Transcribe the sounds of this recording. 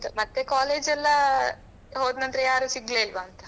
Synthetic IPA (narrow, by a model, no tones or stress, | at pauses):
t̪ɐmɐt̪ːekaːleːd͡ʒɛlːɐ | ɦoːd̪nɐnd̪ɾejaːɾuːsiɡleːilʋaːnt̪ɐ̥